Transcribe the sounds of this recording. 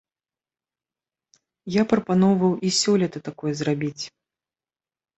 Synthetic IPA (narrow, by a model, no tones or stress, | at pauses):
japɾɐpanɔwvɐwʔisʲɔlʲɛt̪ɐt̪akɔjɛzrabʲit͡sʲ